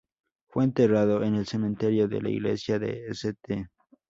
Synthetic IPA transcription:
fweːnt̪e̞raðoʔenelse̞mẽnt̪eɾjo̞ðḛla̰ḭɣlḛsjaðḛeset̪e

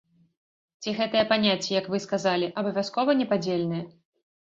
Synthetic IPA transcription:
t͡sʲiɣɛt̪ɨjɛpanʲat͡sʲːɛjɐkvɨskazalʲiʔɐbɐvʲaskɔvɐnʲɛpad͡zʲelʲnɨjɐ

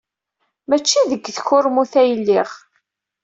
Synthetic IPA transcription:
mæt͡ʃːiðəɡːθçʊɾmuθæjəlːiʁ

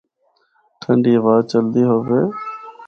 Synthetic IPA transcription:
t̪ʰəɳɖiːʋaːt͡ʃəld̪iːɦoːʋeː

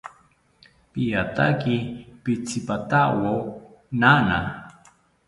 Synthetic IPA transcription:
pijat̪a̰kipit͡sʰipat̪awo | nana̰

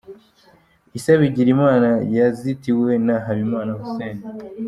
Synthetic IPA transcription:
isaβiɟiɾimaːnajazitiwe̞naɦaβimaːnahuseːnda

